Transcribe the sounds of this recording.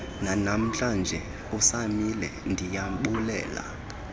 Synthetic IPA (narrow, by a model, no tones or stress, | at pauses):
nanam̩t͡ɬʼand͡ʒʱɛ | usamilɛndʱijaɓulɛ̰ːla̰